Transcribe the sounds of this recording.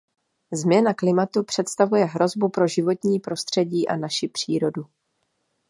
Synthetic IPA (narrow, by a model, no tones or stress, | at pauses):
zmɲɛnaklɪmat̪upr̝̥ɛt̪st̪avujɛɦɾo̞zbupɾo̞ʒɪvo̞t̪ɲiːpɾo̞st̪r̝̥ɛɟiːʔa̰naʃɪpr̝̥iːɾo̞du